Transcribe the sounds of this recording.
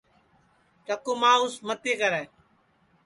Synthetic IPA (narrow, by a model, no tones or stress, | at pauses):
t͡ʃəkoːmãːʊsmət̪eːkəɾɛ̃ː